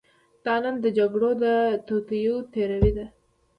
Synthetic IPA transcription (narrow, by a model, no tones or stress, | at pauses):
d̪̥ɑnand̪əd͡ʒaɡɽod̪ət̪okijut̪eɾawid̪a